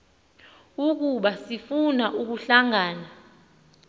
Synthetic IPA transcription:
uk̬uɓasifunaʔuk̬uɬaŋaːna

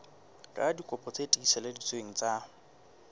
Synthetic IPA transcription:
kʼa̰dikʼɔpʼɔt͡sʼetʼikʼisɛledit͡sʼweŋ̩t͡sʼa

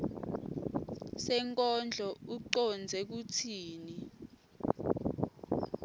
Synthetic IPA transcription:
sɛŋkʼɔnd͡ɮʱɔuǀɔnd͡zʱɛk̬utʰiːni

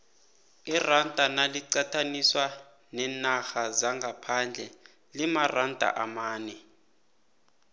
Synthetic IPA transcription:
irandʼʱanaliǀatʰaniswa | nɛnaxazaŋɡʱapʰand͡ɮʱɛ | limarandʱʼa̰ʔamaːnɛ

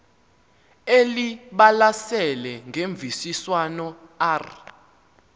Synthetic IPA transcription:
eliɓalasɛlɛŋɡʱeɱb̪vʱisiswanɔar

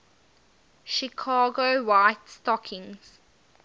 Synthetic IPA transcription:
ʃikʰɑːɡowaɪtstɔkʰɪ̃ŋz̥

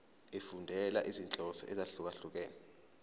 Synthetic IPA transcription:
efundʱɛla̰ʔizint͡ɬʼɔsɔ̰ʔɛzaɬuk̬aɬuk̬ɛːnɛ

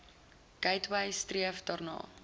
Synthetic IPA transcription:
kɐjtwɐjstriəfdɑːrnɑ̰ː

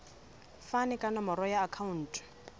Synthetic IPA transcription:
fanɪkʼanɔmɔɾɔjaːkʰaun̩ːtʰʼ

